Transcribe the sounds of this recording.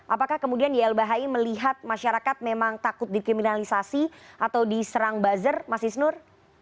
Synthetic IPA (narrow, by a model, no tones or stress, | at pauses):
ʔapakahkəmudiandiɛlbaɦaiməliɦat̪̚maʃaɾakat̪̚memaŋt̪akʊt̪̚dikɾiminalisasiʔat̪awdisəɾaŋbazərmasihsənʊr